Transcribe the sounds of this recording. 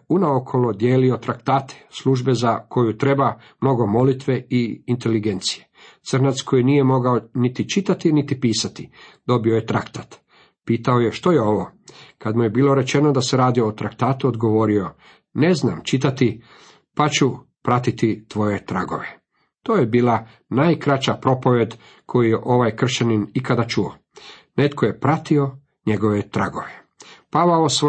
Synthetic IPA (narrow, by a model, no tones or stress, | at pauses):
unaokʰo̞lod̪je̞ːlio̞t̪ɾakt̪aːt̪ʰe̥sluʒbe̞zakʰo̞jut̪ɾe̞ba | mno̞ɡo̞mo̞lit̪ʋe̞iint̪e̞liɡe̞nt̪sije̞t̪sr̩nat̪sko̞jinije̞mo̞ɡaonit̪it͡ʃit̪at̪init̪ipiːsat̪id̪̥o̞bio̞jet̪ɾakt̪at̪ | piːt̪aoje̞ʃt̪o̞jeo̞ʋokad̪muje̞biːlˠo̞ɾe̞t͡ʃe̞no̞d̪ase̞ɾaːd̪io̞ːt̪ɾakt̪aːt̪uod̪ɡo̞ʋo̞ɾio̞ | ne̞zna̰ːmt͡ʃit̪at̪i | pat͡ɕu | pɾat̪it̪it̪ʋo̞je̞t̪ɾa̰ɡo̞̰ʋe̞ | t̪oːjebiːla | naːjkɾat͡ʃapɾo̞po̞ʋje̞d̪ | kʰo̞jujeʔo̞ʋajkr̩ʃaninikad̪at͡ʃuo̰ | ne̞t̪kʰoje̞pɾat̪io̞ | ɲe̞ɡo̞ʋet̪ɾa̰ɡo̞̰ʋe | paʋaos